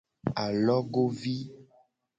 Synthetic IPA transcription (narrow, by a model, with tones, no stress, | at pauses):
a˨lɔ˦ɡo˦vi˦